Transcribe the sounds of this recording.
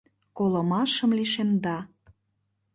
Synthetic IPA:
kolə̆mɑʃə̆mliʃemd̪ɑ

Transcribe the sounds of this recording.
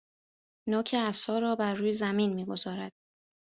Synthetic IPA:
noːcʰeæsɒːɾɒːbæɾːuːjezæmiːnmiːɡo̞zɒːɾæd̪̥̚

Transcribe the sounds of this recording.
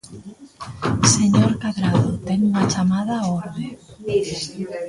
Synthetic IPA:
seɲoɾkaðɾaðot̪ɛŋuŋat͡ʃamað̞aoɾðe

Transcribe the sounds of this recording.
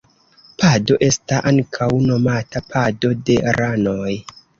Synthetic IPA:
pʰado̞ʔe̞staʔaŋkʰawno̞matapʰado̞de̞ɾʔano̞j

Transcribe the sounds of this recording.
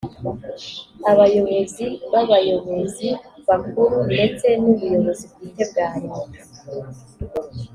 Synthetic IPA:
aβajo̞βeziβaβajomeziβakuɾunde̞t͡se̞nuβujo̞βo̞zibɡiːte̞b̚ɡaːɲoa

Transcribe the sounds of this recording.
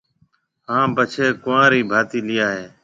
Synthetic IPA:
ɦãːpət͡ʃʰeːkʊʋãːɾiːbʱaːt̪iːlɪjaːɦeː

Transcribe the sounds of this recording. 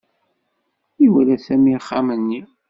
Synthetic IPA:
iwælæsæmiχːamənːi

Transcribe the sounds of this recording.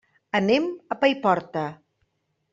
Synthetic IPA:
əneməpajpɔɾt̪ə

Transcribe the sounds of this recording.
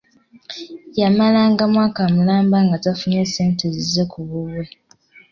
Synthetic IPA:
jamalaŋɡamwaːkamulaːmbaŋɡatafuneseːntezizekuβuβwe

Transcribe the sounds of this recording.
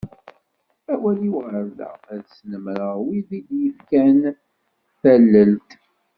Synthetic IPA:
æwæliwʁəɾðə̰æðsnəmɾəʁwiðid̪jəfkæn | θælːəlt̪

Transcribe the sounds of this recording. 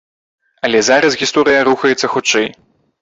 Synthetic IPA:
ɐlʲɛzaɾɐsɣʲist̪ɔɾɨjɐɾuxɐjɛt̪sːɐxut͡ʂɛj

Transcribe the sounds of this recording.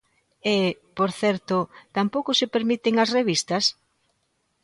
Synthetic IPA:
epoɾθɛɾt̪ʊt̪ampowkʊsepeɾmit̪ɪŋɐsreβist̪ɐs

